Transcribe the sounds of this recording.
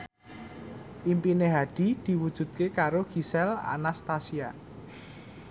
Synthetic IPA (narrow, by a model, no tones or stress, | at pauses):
ʔimpineɦaɖ̪̥i̤d̪̥i̤wud̥ʒ̥ṳd̪̚kekaɾoɡ̥i̤sɛla̰nast̪asia